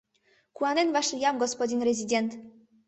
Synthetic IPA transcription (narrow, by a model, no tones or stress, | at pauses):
kuanɛnvaʂjamɡɔspɔdʲinɾɛzʲid̪ʲɛnt̪